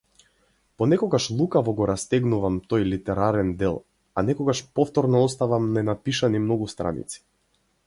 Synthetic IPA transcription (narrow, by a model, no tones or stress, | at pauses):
pɔnɛkɔɡaʃlˠukavɔɡɔɾast̪ɛɡnuvamt̪ɔjlit̪ɛɾaɾɛnd̪ɛlˠ | anɛkɔɡaʃpɔft̪ɔɾnɔɔst̪avamnɛnapiʃanimnɔɡust̪ɾa̰nḭt̪si̥